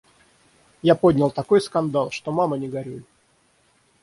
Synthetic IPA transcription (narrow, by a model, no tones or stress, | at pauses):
japod̪ʲnʲɪlˠt̪ɐko̞jskɐnd̪alˠʂt̪omamənʲɪɡɐɾʲulʲ